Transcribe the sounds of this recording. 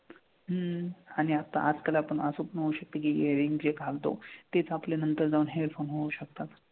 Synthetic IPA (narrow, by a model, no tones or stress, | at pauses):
ɦəaɽ̃iat̪a̰ʔad͡zkalaapəɳəsupnəɦouɕək̚t̪əkiːeəɾiŋɡd͡ʑeɡʱalt̪o̰t̪et͡sapljanənt̪əɾd͡zaʋuːnɦeɾfʰonɦouɕək̚t̪at̪